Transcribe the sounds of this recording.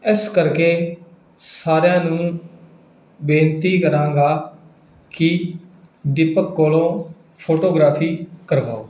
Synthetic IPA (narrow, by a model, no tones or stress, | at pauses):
ɪskəɾkeː | saːɾjãːnũː | bẽːnt̪iːkəɾãːŋɡaː | kɪ | d̪ɪpəkːoːlõː | pʰoːʈoːɡɾaːpʰiːkəɾʋa̰ːoː